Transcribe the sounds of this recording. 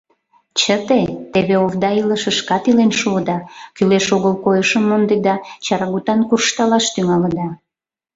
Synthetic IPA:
t͡ɕət̪et̪eβeovd̪ɑiləʃə̆ʃkɑt̪ilenʃuəd̪ɑkyleʃoɣəlkojəʃəmːond̪ed̪ɑt͡ɕɑɾɑɣut̪ɑnkurʃt̪ɑlɑʃt̪yŋɑləd̪ɑ

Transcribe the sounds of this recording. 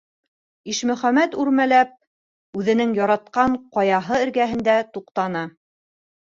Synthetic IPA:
iʃmɵ̆χæmæt̪ʉɾmælæp̚ | ʉðɘ̆nɘŋjɑɾɑt̪̚qɑɴqɑjɑɦɤɘ̆ɾɡæɦɘ̆nd̪æt̪uqt̪ɑnɤ

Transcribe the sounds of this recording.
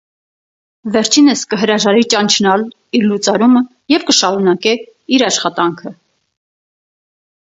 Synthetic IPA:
vɛɾt͡ʃʰinəskəɦəɾɑʒɑɾit͡ʃɑnt͡ʃʰnɑl | iɾlut͡sɑɾumə | jɛvkəʃɑɾunɑkɛ | iɾɑʃχɑt̪ɑŋkʰə

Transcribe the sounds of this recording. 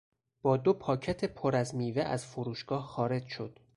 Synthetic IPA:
b̥ɒːd̪o̞pʰɒːcʰæt̪ʰe̞pʰoɾæzmiːveʔæ̰z̥foɾuːʃɡ̥ɒːhxɒːɾe̞d͡ʒʃo̞d̪̥

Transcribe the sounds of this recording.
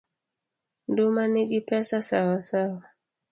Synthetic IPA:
ndumaniɡipɛsasawasawa

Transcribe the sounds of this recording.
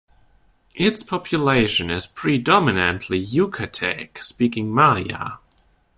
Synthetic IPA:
ʔɪtspʰɑpʰjəleɪʃɨ̃nɪz̥pʰɹ̥idɑmɨnɨ̃nʔʰlijʉkʰɨtʰɛ̰kspikɪ̃ŋmajə̰

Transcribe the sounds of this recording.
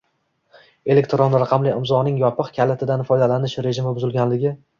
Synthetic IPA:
e̞le̞k̚ʲt̪ɾonɾaqʰɑmlɪɪmzɒnɪŋjɒpɨqkʲʰalɪt̪ʰɪd̪anfɒjd̪alanɪʃɾe̞ʒɪmɪbʊzɪlˠɡʲanlɪɡʲɪ

